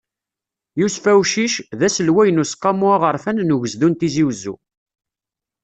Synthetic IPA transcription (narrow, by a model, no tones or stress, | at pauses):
jusfæwʃiʃðæsəlwæjənusqːɑmuaʁəɾˤfænnuʝəzðunt̪iziwzṵ